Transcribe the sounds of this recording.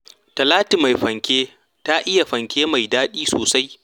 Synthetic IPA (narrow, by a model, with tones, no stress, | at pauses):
tɐ˨laː˦ti˨ma˨jɸɐ˨ŋkʲeː˦ | ta˦ʔɪ˦ja˨ɸɐ˨ŋkʲeː˦ma˨jdaː˦ɗiː˦soː˨sa˦j